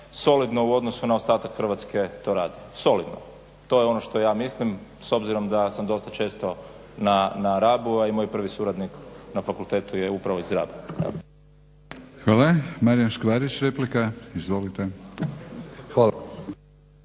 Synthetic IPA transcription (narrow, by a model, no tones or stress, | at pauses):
so̞lid̪no̞uo̞d̪nosunaost̪aːt̪akxr̩ʋat̪ske̞t̪o̞ɾaːd̪iso̞lid̪no̰ | t̪o̞jeo̞noʃt̪o̞jaːmislim | so̞bziɾo̞md̪asamd̪o̞st̪at͡ʃe̞ːst̪o̞ | nanaɾaːbuaimo̞jpr̩ʋisuɾad̪niknafakulˠt̪e̞ːt̪ujeupɾaʋo̞izɾa̰bu | xʋaːlˠamaɾijamʃkʋaːɾit͡ʃɾeplikaizʋolit̪e | xaːla